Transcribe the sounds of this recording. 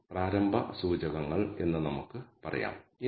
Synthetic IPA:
praːɾɐmbʱɐ̰suːd͡ʑɐɣɐŋːɐɭe̞nːɨnɐmukːɨpɐrɐ̰ja̰ːmi

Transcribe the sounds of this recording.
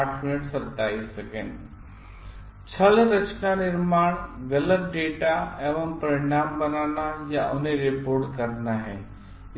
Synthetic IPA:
aʈʰmɪnɪʈsəɾt̪aːisːɐkḛːn | t͡ʃʰəlɾət͡ʃnanɪɾmaːɽ̃ʋeləp̚ɖeːʈaeːʋəmpɐɾɪɽ̃aːmbɐnaːnajaʔʊnẽɾepoːɾʈkəɾnaɦɛː | ɪ

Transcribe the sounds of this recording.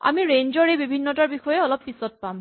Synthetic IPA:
a̰miɹend͡ʒɔɹejbibʱinːɔtaɹbixɔjɛɔlɔpːisɔt̚pam

